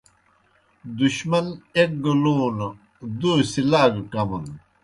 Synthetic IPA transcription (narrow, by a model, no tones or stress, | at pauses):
d̪uɕmɐnek̚ɡuluːn | d̪uːsilaːɡkɐmun